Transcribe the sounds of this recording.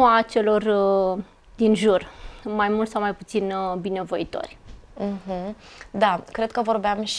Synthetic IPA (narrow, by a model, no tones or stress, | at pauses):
at͡ʃe̞lo̞rə | d̪inʒurmajmult̪sawmajput̪sinbine̞vo̞it̪o̞̰rʲm̩ɦm̩d̪akɾe̞d̪̚kəvo̞rbeamʃ